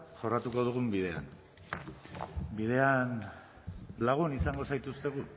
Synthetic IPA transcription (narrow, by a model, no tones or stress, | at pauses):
ʝo̞rat̪uko̞ðuɣumbiðe̞a̰n | bið̞e̞an | laɣ̞unisaŋɡo̞sajt̪ust̪e̞ɣ̞u